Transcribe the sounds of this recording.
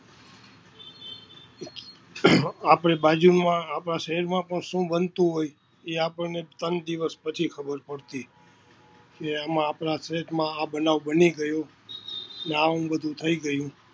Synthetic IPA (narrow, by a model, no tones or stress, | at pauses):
apɽebad͡ʒunmãːpɾaʃəɦɛɾmãpəɳʃũbənt̪ũɦoj | eapəɳnet̪ənd̪iʋəspət͡ʃʰikʰəbəɾpəɽt̪i | keamãːpɾasɾeʈmãabənaʋbəniɡəjo | neaɦũbəd̪ʱũt̪ʰəiɡəjũ